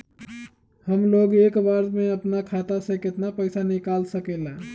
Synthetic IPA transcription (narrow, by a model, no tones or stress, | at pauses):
həmloɡekbaɾmeəpnakʰat̪asə̃ket̪napəjsanikalsəkelã